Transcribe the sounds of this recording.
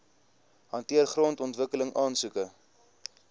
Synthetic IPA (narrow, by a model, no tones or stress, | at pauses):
ɦɐntiərχrɔntɔntvəkələŋʔɑːnsukə